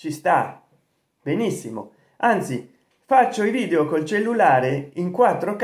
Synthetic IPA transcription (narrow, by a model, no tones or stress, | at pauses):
t͡ʃist̪a | benisːimo̰ | ant̪si | fat͡ʃːoiviːd̪eokolt͡ʃelːulaːɾeiŋkwat̪ːɾok